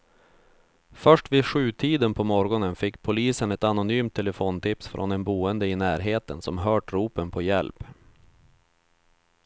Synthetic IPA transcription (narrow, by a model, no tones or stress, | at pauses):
fœʂʈviɧʉ̟ːt̪ʰiːd̪ənpʰɔmɔɾɡɔnənfɪkːpʰʊliːsənɛt̪anʊnyːmt̪ʰːɛləfoːnt̪ʰɪpsfɾʔɔ̰nɛnbuːənd̪əɪnæːɾɦeːt̪ənsɔmɦœːʈɾuːpənpʰɔjɛ̰lp